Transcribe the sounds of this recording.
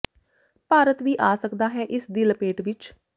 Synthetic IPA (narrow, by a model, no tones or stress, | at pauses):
paːɾət̪ʋiːʔaːsəkd̪aːɦɛːʔɪsd̪iːləpeːʈʋɪt͡ʃ